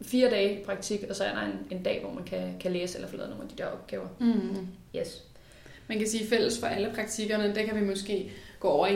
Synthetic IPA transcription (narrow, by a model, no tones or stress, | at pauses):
fiːɐd̥ɛːpʰʁɑ̈ɡ̥̚t͡sʰiɡ̥ɒ̽sɒ̽æd̥ɑ̈e̝ne̝nd̥ɛ̰ːʋɒ̰mænkʰækʰæleːselɐfolɛ̰ðˠno̰ːŋnæd̥id̥e̝ɐ̰ɒ̽b̥̚ɡ̥ɛːʊɐ | jes | mænkʰæsiːfel̰əsfɒʔæləpʰʁɑ̈ɡ̥̚t͡sʰiɡ̥ɐnəd̥ekʰæʋimɔsɡ̥e̝̰ːɡ̥ɔ̰ːɒʊɐi